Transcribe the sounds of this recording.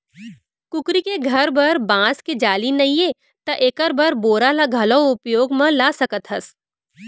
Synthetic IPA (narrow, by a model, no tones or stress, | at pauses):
kʊkɾikeɡʱɐɾbɐɾbãːsked͡ʒaːlinɐijeː | t̪ɐʔeːkəɾbɐɾboːɾalaɡʱɐlõʊpjoːɡmɐ̃lasɐkət̪ɦɐs